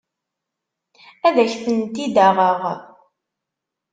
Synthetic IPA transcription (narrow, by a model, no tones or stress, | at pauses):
æðæçθənt̪id̪əʁəʁ